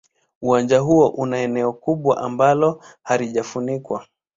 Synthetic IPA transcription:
uwand͡ʒaɦuɔʔunaɛnɛɔkuɓwa̰ʔambalɔhaɾiʄafunikwa

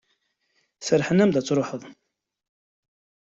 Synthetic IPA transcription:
θəɾħənːæmd̪æt͡sːɾˤoħəðˤ

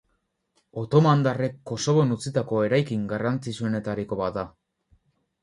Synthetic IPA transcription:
o̞t̪o̞mand̪are̞kːo̞so̞βo̞nut͡sit̪ako̞e̞ɾajkiŋɡarant͡sisue̞ne̞t̪aɾiko̞βaa

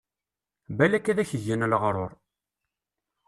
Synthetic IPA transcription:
bælækːæðæçəʝːænəlʁɾˤo̰ɾˤ

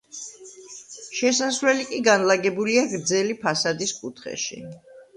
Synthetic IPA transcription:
ʃɛsasɾɛlikʼiɡanlaɡɛbuliaɡɾd̪zɛlipʰasad̪iskʼut̪ʰχɛ̰ʃḭ

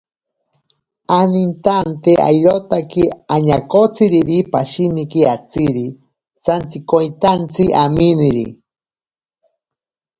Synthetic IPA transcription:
anint̪ant̪eʔa̰jɾot̪akiaɲakot͡siɾiɾipaʃinikiat͡siɾi | sant͡sikojt̪ant͡siʔaminiɾḭ

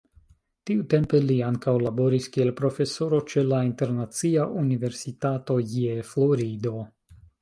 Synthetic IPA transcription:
tiute̞mpe̞liaŋkawlabo̞ɾiskie̞lpɾo̞fe̞so̞ɾo̞t͡ʃe̞lainte̞ɾnat͡siaʔunive̞ɾsitato̞jeflo̞ɾido̞

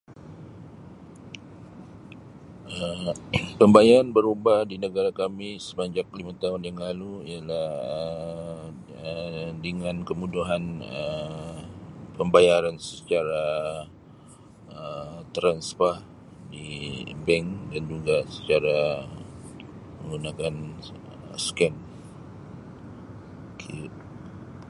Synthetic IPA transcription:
ʔəmpəmbajaɾanbəɾubadinəɡaɾakamisə̥maɲd͡ʒak̚limat̪aɦʊnjaŋlaluialahə | ədəŋankəmuduɦanə | pəmbajaɾansət͡ʃaɾa | ət̪ɾanspar | dibɛŋdand͡ʒuɡasə̥t͡ʃaɾa | məŋɡunakan | əskɛn | kʰit̚

